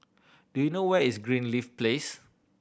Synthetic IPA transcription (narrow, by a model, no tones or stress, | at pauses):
d̥ujunowɛisɡɹĩnlifples